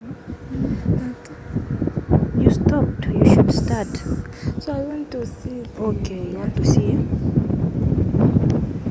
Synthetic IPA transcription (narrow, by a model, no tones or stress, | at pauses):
justʰɔp̚tjuʃudstat | soajwɔ̃ntusiokʰeawɔ̃ntusit